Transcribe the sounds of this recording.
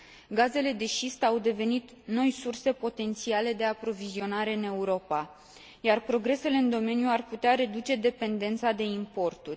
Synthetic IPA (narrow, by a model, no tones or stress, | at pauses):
ɡaze̞le̞d̪e̞ʃist̪awd̪e̞ve̞nit̪ | no̞jsurse̞po̞t̪e̞nt̪siale̞d̪e̞apɾo̞vizio̞naɾe̞ɨne̞uɾo̞pa | jarpɾo̞ɡɾe̞se̞le̞ɨnd̪o̞me̞njuarput̪eaɾe̞d̪ut͡ʃe̞d̪e̞pe̞nd̪e̞nt̪sad̪e̞impo̞rt̪urʲ